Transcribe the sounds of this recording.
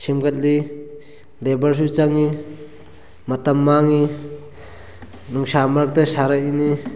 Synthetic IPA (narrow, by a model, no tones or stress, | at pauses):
simɡɐt̚li | lebɐɾs̬ut͡ʃaŋi | mɐtɐmːaŋi | nuŋsamaɾk̚tasaɾaini